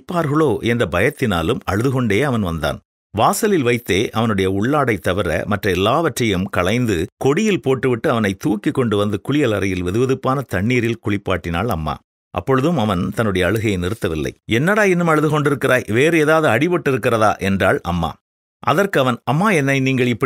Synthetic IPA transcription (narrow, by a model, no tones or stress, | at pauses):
pːaːɾɣɐɭoːʔɛnd̪ɐbɐjɐt̪ːɪna̰ːlɯmɐ̰ɻɯðɯɣɔɳɖeːɐʋɐnʋɐnd̪a̰ːn | ʋaːsɐlɪlʋɐɪt̪ːeːʔɐʋɐnɯɽɐjɐʊɭːaːɽɐɪt̪ːɐʋɪɾɐ̰mɐʈrɐɛlːaːʋɐʈrɐjɯmkɐɭɐɪnd̪ɯkɔɽɪjɪlpoːʈːɯʋɪʈːɯɐʋɐnɐɪt̪ːuːkːikːɔɳɖɯʋɐnd̪ɯkʊɭɪjɐlɐɾɐjɪlʋɛðɯʋɐðɯpːaːnɐt̪ɐɳːiːɾɪlkʊɭɪpːaːʈːɪna̰ːɭɐ̰mːa̰ː | ʔɐ̰pːɔɻɯðɯmɐʋɐnt̪ɐnːɯɽɐjɐːɻɯɣɐjɐɪnɪɾɯt̪ːɐʋɪlːɐ̰ɪɛnːɐɽaːɛnːɯmɐɻɯðɯɣɔɳɖɪɾɯkːɪrʔaːjʋeːɾɯeːðaːðɯɐɽɪʋɔʈːɪɾɯkːɪrɐða̰ːʔɛndra̰ːɭʔɐ̰mːa̰ː | ʔɐðɐrkɯɐʋɐnɐmːaːɛnːɐɪniːŋɡɐɭɪpːɐ